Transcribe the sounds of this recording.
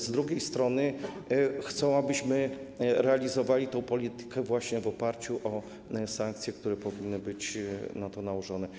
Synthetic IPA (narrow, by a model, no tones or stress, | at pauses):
zd̪ɾuɡʲejst̪ɾɔnɘ | xt̪sɔ̃w̃abɘɕmɘɾɛalʲizɔvalʲit̪ɔ̃w̃pɔlʲit̪ɘ̥kɛvwaɕɲɛvɔpaɾt͡ɕuʔɔ | saŋk̚t̪sʲjɛk̚t̪uɾɛpɔvʲinːɘbɘt͡ɕnat̪ɔnauʐɔnɛ